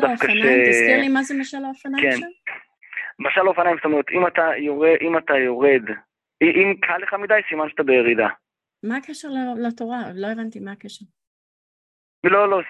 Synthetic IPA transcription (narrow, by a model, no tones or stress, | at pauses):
dafkaʃesiʁimazemaʃalaofanaken | maʃalaofanajmst̪omeʁet̪imat̪ajoʁeʔimat̪ajo̞ʁed̪ | iʔimkʰaleχamid̪ajsimanʃat̪abejeʁid̪a | makeʃeʁllatoʁalo̞e̞vant̪imaːkeʃeʁ | lolo